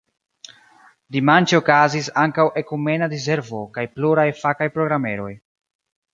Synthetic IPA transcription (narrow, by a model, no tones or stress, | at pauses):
dimant͡ʃeokazisaŋkawʔe̞kume̞naɾiz̬e̞ɾvo̞kajpluɾajfakajpɾo̞ɡɾame̞ɾo̞̰j